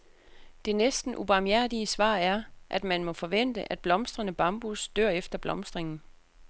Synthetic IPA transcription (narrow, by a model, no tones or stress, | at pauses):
d̥e̝nesd̥n̩ʔub̥ɑ̈mjæɐ̰d̥iəsʋɑ̰̈ːæɐʔæd̥mænmɒ̽fɒ̽ʋen̰d̥əʔæd̥̚b̥lɒ̽msd̥ʁɐnəb̥ɑ̈mb̥usd̥ø̰ɐ̰efd̥ɐb̥lɒ̽msd̥ʁeŋn̩